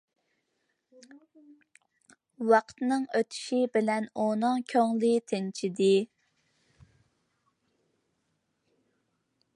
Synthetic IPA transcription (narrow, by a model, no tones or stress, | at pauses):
wɑqt̪nɨŋøt̪ʰy̥ʃibɪlɛnonɑŋkʲʰoŋlˠɨt̪ʰɪnt͡ʃʰid̪ɪ